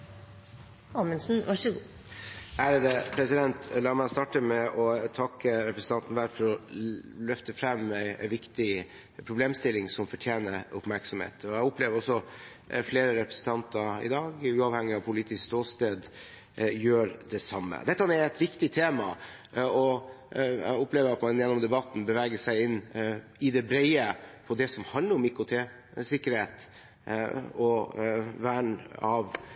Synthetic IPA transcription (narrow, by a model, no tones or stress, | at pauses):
ɑmənsn̩ʋɑʂəɡ | æːɾəd̪əpʰɾɛsɪd̪ɛnt̪lɑːɾmɛst̪ɑːʈəmɛʔɔt̪ʰɑkːəɾɛpɾəsn̩t̪ɑnt̪n̩ʋæɾfɔɾɔlœft̪əfɾɛmːæɪʋɪkt̪ɪ | pʰɾʊbleːmst̪ɪlːɪŋsɔmfɔʈʰjeːnəɾʊpmæɾksɔmhḛːt̪ʰɔjæʊpleːʋəɾɔsɔ | fleːɾəɾɛpɾəsən̩t̪ʰɑnt̪əɾɪ̰d̪ɑːɡʉːɑʋhɛŋːɪɑʋpʰʊliːt̪ɪskst̪oːst̪eːd̪ | jøːɾd̪ɛsɑmːə̰d̪ɛt̪ːəɑnɛɛt̪ʋɪkt̪ɪt̪ʰeːmɑ̰ | ɔ | ɛ̰ɡʊpleːʋəɾɑt̪mɑnjɛnːɔmd̪ɛbɑt̪ːn̩bəʋæːɡəsæɪɪnː | ɪd̪ɛbɾɛɪəpʰɔd̪ɛsɔmhɑnd̪ləɾɔmikʊt̪ʰeː | sɪkːəɾheːt̪ | ɔ | ʋæːɳɑʋ